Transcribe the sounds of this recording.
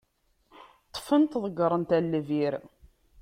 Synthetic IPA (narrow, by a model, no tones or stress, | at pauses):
t̪ˤːfənt̪ðˤəɡɾˤənt̪ælːviɾ